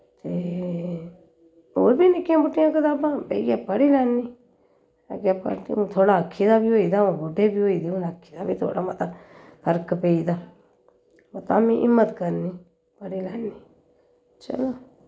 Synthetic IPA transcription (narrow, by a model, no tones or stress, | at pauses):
t̪eː | oːbiːnɪkːɪjãːbʊʈːɪjãːkət̪aːbãːpḛijaːpəɽiːlɛːniː | a̰ɡjaːpə̰t̪ḛõːt̪ʰoːɽaːəkʰːiːd̪aːbiːɦoːiːd̪aːõːboɖeːbiːɦoːiːd̪eːʊ̃naːkʰːiːd̪aːbiːt̪ʰo̰ːɽaːmət̪apʰəɾkpeːiːd̪aː | mət̪aːmĩːʔɪ̰mːət̪kəɾniː | pəɽiːlɛːniː | t͡ʃə̰loː